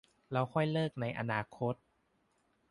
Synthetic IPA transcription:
la˧˥wkʰɔ˥˩jlɤː˥˩k̚na˧˥jʔa̰˧naː˧kʰo˦˥t̪̚

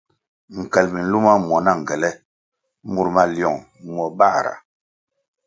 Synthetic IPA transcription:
ŋ̩˨kɛ˨lmi˨n̩˦lu˦ma˦mwɔ˨˦na˦˨ŋ̩˨ɡɛ˨lɛ˦ | mu˨ɾma˨ljɔ˨ŋ | m˨ɔ˨ba˦˨ɾa̰˨

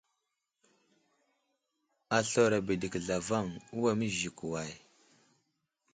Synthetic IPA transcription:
a˨ɬo˨ɾa˨bi˨di˨kɮa˨va˦˨ŋu˦wa˨mi˦ʒi˨ku˨wa˨j

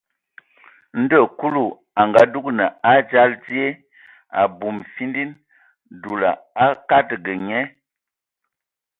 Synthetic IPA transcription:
n̩˦də˦˨ku˦lu˦˨ | a˨ŋɡa˨˦du˦k̚nə˨a˦d͡ʒa˦ld͡zi˦e˦ | a̰˨bu˨mfi˦ndi˦n | du˨la̰˨a˦ka˦tɡə˨ɲɛ˦

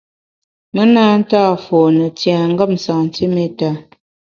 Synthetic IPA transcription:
mə˦na˦n̩˦taː˦˨fɔ˨nə˨tja˨ŋ̩˦ɡə˦˨mn̩˨sa˨ŋn̩˨ti˦me˦˨ta˦

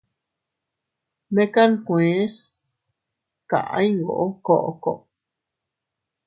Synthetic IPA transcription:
mẽ˦ka˦nkʷẽ˨˦s | kã̰˨ʔã̰˦ɲ˦ŋɡo̰˨ʔo˦ko˧˨ʔo˧ko˨ʔo˨

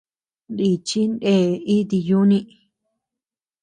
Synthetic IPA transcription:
nd̪i˧t͡ʃi˦nde˦˨i˦t̪̬i˧ju˦nĩ˧

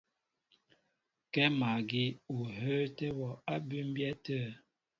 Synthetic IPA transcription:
kɛ˦ma˨ɡi˦u˨ɦə˦tɛ˦wɔ˨a˦bʉ˦m˦bjɛ˦tə˦

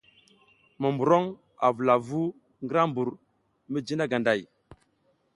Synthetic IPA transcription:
mə˨mbu˨ɾo˦ŋ | a̰˨vu˨la˨vu˦ | ŋɡə˦ɾa˦mbu˨ɾ | mə˦d͡ʒi˦na˦ɡa˨nda˨j

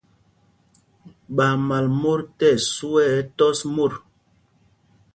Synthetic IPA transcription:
ɓa˨ma˨lmo˦ɾtɛ˦˨su˦ɛ˦tɔ˦smo˦˨ɾ

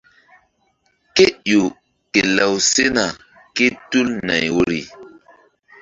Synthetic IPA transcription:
ke˦jo˨ | ke˨la˨wse˦na˨ | ke˦tu˦lna̰˨jwo˨ɾḭ˨

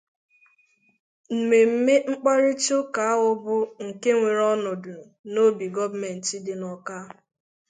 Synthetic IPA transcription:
m̩˨me˨m̩˦me˦ŋ͡m̩˦k͡pa˦ɾɪ˦t͡ʃo˦ka˨a˦ʊ˦bʊ˦ŋ̩˨ke˦ŋʷe˨ɾɔ˦nʊ˨dʊ˨no˦bi˨ɡɔ˦vme˨n̩˨ti˦dɪ˨nɔ˦ka˦

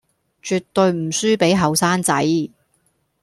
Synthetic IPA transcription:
t͡ʃyː˨˧t̪ːɵ˧ɥm̩˨˩syː˥pe˨˥jɦɐ˨wsaː˥nt͡sɐ˨˥j

